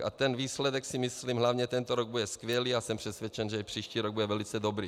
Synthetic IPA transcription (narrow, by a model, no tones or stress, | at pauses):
ʔat̪ɛnviːslɛdɛksɪmɪslimɦlavɲɛt̪ɛnt̪oɾoɡ̚budɛskvjɛliːasɛmpr̥ɛsvjɛt͡ʃɛnʒɛipr̥iːʃciːɾoɡ̚budɛvɛlɪt͡sɛdobɾiː